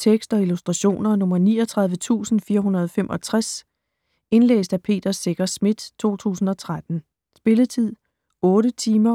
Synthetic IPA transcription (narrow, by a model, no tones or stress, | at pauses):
t͡sʰeɡ̥sd̥ɒ̽ilusd̥ʁɑɕo̝̰ːnɐnɔ̽mɐniːɒt͡sʰʁɑ̈ð̞ˠʋət͡sʰṵːsn̩fiːɐɦunɐð̞ˠɒfemʔɒ̽t͡sʰʁas | e̝nlḛːsd̥æpʰe̝̰ːd̥ɐse̝ɡ̥ɐsmid̥t͡sʰo̝̰ːt͡sʰṵːsn̩ɒ̽t͡sʰʁad̥n̩ | sb̥e̝lət͡sʰið̰ˠ | ɔ̽ːɾət͡sʰiːmɐ